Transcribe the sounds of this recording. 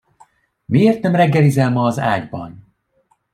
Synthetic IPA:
mieːrt̪ɛmrɛɡːɛlizɛlmɒːza̰ːɟbɒ̰n

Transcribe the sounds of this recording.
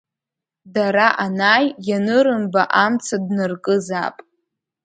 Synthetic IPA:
daɾaʔanaːjjanɨɾɨmbaʔamt͡sʰadnɨrkʼɨza̰pʼ

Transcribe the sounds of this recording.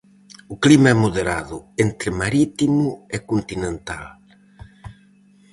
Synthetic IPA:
ʊklimaɛmoðeɾa̰ðʊent̪ɾɪmaɾit̪imʊɪkont̪inẽnt̪al

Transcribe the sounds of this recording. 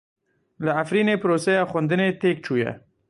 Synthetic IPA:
laafɾinepɾoseawxund̪ənet̪ek̚ʈ͡ʂuja̰

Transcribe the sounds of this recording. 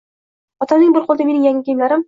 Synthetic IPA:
ɒt̪ɑnɤɴbɘɾqolˠd̪ɑminɘ̆ŋjæŋɘkijmlæɾɘm

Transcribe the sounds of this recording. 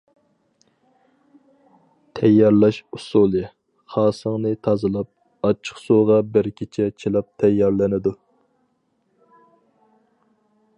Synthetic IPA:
t̪ʰɛjːɑɾlˠɑʃusulˠɨ | χɑːsəŋnɨt̪ʰɑzɨlˠɑp̚ | ɑt͡ʃʰːə̥χsoʁɑbɪɾkʲʰit͡ʃʰɛt͡ʃʰilˠɑp̚t̪ʰɛjːɑɾlɪnɪd̪u

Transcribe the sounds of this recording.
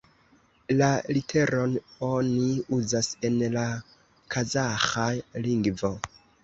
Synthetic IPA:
lalitʰe̞ɾʔo̞no̞niuzase̞nla | kʰazaxajliŋɡvo̞

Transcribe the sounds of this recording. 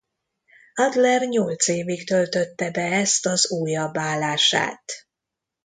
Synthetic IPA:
ɒd̪lɛrɲolt̪seːvikt̪ølt̪ø̞t̪ːɛbɛɛst̪ɒzuːjɒbːaːlːaːʃa̰ːt̪

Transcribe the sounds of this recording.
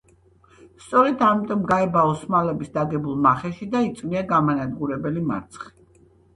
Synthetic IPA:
st̪sʼɔɾɛd̪amit̪ʼɔmɡaɛbaɔsmalɛbisd̪aɡɛbulˠmaχɛʃid̪ait̪sʼmiaɡamanad̪ɡuɾɛbɛlima̰ɾt̪sʰχi̥

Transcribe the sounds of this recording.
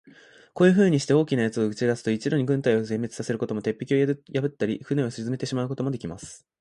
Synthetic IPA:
ko̞ːjɯ̟ɸɯ̟ːɲ̟iɕi̥t̪e̞o̞ːkʲinajat͡sɨo̞ɯ̟t͡ɕid̪asɨ̥t̪o̞it͡ɕiɾo̞ɲ̟iɡɯ̟̃nt̪aio̞zẽ̞mːe̞t͡sɨ̥sase̞ɾɯ̟ko̞t̪o̞mo̞t̪e̞pʲːi̥kʲio̞jabɯ̟t̪ːaɾʲiɸɯ̟nẽ̞osezɨme̞t̪e̞ɕimaɯ̟ko̞t̪o̞mo̞d̪e̞kʲimasɨ̥

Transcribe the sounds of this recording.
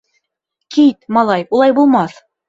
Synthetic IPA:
kit̪mɑlˠɑjulˠɑjbulˠmɑθ

